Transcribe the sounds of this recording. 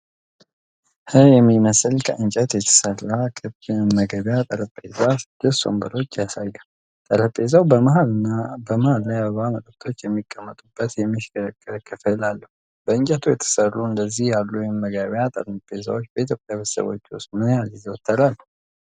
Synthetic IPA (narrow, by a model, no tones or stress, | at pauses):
hɨjɛmːiməsɨlkʰəʔɨnt͡ʃʼɛt̪jɛt̪ʰə̥sərakʰʼɨməɡəβjat̪ʼəɾəpʼːezasɨd̪̥ːəso̞̰mbəɾo̞t͡ʃːjasajːə | t̪ʼəɾəpʼːezawbəalɨnabəməhallajaβəβamət̪ʼək̚t̪ʰo̞t͡ʃːjɛmːikʼːəmːət̪ʼubːət̪jɛmːiʃkʼəkʼːɨfɨlalːəhu | b̥əɨnt͡ʃʼɛt̪ʰujɛt̪ʰə̥sərːuɨnd̪əzːihjalːujɛmːəɡəβjat̪ʼə̰ɾpʼeza̰wot͡ʃːbəit̪ʰjo̞pʼjaβə̥sə̰βo̞̰t͡ʃːwust̪mɨnjazɡizewɔt̪ʰːəɾalː